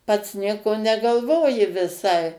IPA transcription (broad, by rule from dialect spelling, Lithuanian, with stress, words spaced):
pɐts ˈnʲiɛkoː nʲɛɡɐlˠˈʋoːjɪ ʋʲɪˈsɐɪ